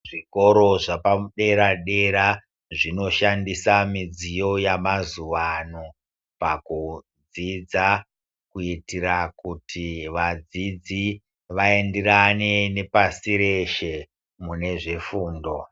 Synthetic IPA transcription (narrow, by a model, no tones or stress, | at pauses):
ʐiko̞ɾo̞ʐapamuɗe̞ɾaɗe̞ɾa | ʐino̞ʃandisamid͡zijo̞jamazuʋano | paku | d͡zid͡za | kuitirakutʰiʋad͡zid͡zi | ʋae̞ndeɾane̞ne̞pasiɾe̞ʃe̞ | mune̞ʐe̞fuːndo̞